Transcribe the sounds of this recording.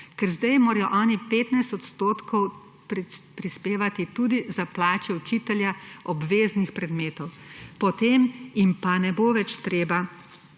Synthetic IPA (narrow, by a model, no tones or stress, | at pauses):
kɛɾzd̪ajmoːɾajɔʔɔːnipeːt̪najst̪ɔt̪st̪oːt̪kʰɔw | ppɾispeːʋat̪it̪uːd̪izaplaːt͡ʃɛut͡ʃit̪ɛljaɔbʋeːznixpɾɛd̪meːt̪ɔwpɔt̪eːmimpanɛboʋɛt͡ʃt̪ɾeːba